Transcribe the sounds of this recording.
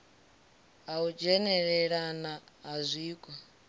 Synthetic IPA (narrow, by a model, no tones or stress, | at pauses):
aud͡ʒɛnɛɺɛɺanaɦazʷiːkʼɔ